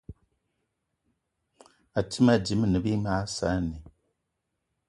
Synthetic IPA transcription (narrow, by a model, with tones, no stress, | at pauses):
a˨ti˦ma˦˨d͡ʒi˨˦mɨ˦˨nɨ˨˦bi˦ma˦sa˦˨ni˨